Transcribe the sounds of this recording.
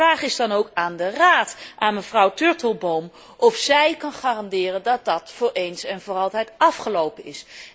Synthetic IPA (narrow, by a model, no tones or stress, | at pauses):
raːχɪzdɑnowkaːndəraːtʔaːnməv̥rʌwtøɹtəlˠbowm | ʔɔfsɛjkɑnχaːrɑndɪːrəndɑt̚dɑtfʊːɹejnsɛnvʊːrɑlˠtɛjtɑfχəlowpənɪs